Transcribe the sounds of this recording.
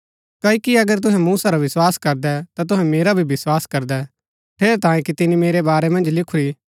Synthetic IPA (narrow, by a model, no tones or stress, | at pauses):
kɐːikiɐɡəɾt̪̬ʊɦɛ̃muːsaɾaʋɪswaːskɐɾd̪ɛt̪at̪ʊɦɛ̃meːɾabʱibɪswaːskɐɾd̪ɛ | pʰeːɾɛt̪ãːjẽkit̪ɪnimeːɾebaːɾɛmɐ̃nd͡ʒlɪkʰuɾi